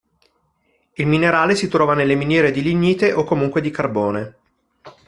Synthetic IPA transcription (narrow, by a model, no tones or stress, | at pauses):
ilmineɾaːlesit̪ɾɔːvanelːeminjɛːɾed̪iliɲːiːt̪eʔokːomuŋkwed̪ikarboːne